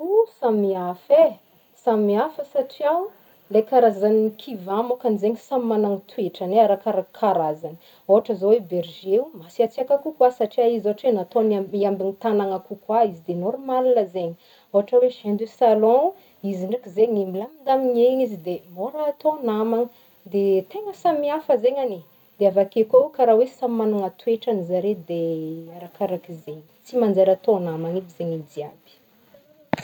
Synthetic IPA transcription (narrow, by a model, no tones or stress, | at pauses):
usamiafe | samiafəsaʈ͡ʂiaw | lekaɾazaniikʰivãmokanizeɲisammanaŋit̪wueʈ͡ʂaneaɾakaɾakʰaɾazanə | oɦaʈ͡ʂəzoweberʒeumasiat͡siakakukwasaʈ͡ʂiaizoaʈ͡ʂwenat̪onaiambinit̪anaŋakukwaizid̪enoɾmalinəzeɲi | oɦaʈ͡ʂəweʃend̪esalɔ̃ | iziɳɖ͡ʐikizeɲimbilamind̪amiɲeɲizid̪emoɾaːt̪onamaŋə | d̪et̪eŋəsamiafəzeɲani | d̪̥eavakekʲaukaɾawesammanuŋat̪ueʈ͡ʂanizaɾed̪eaɾakaɾakizeɲi̥t͡simand͡zeɾat̪oanamaŋibizeɲid͡z̪iab̥i̥